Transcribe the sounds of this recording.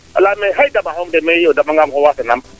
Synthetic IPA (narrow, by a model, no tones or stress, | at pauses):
ə̰lameɦajdamaɦomdemeodamaŋɡamɦowasenam